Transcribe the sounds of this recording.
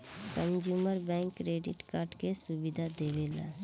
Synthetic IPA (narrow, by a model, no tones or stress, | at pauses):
kə̃nd͡ʒjuːməɾbɛ̃ːŋkːɾeːɖɪ̰ʈkaːɾɖkesʊbɪd̪ʱad̪eːʋeːla̰